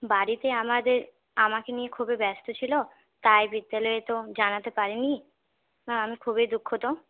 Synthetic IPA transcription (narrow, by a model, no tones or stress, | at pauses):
baɾit̪eamad̪eɾ | amakenijekʰubebɛst̪ot͡ɕʰilo | t̪ajbid̪ːalɔet̪od͡ʑanat̪epaɾini | aamikʰubed̪ukʰːot̪o